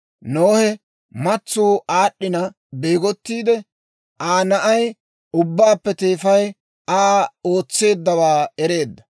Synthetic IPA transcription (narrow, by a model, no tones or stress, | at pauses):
noːhɛ | mɐt͡sːuːʔaːɗːɪnɐ | be̞ːɡɔt̪ːiːd̪ɛ | ʔaːnɐʔɐj | ʊbːaːpːɛt̪e̞ːfɐj | aːo̞ːt͡sːe̞ːd̪ːɐwaːɛɾe̞ːd̪ːɐ